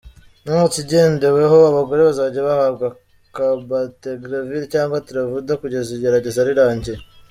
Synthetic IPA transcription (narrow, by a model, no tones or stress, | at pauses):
numut͡siɟe̞ːnde̞we̞ɦoaβaɡo̞ɾe̞βazaɟaβahaβɡa | kabateɡɾaviɾicaːŋɡwatuɾavudakuɟe̞ziɟe̞ɾaɟe̞zaɾiɾaːɲɟe̞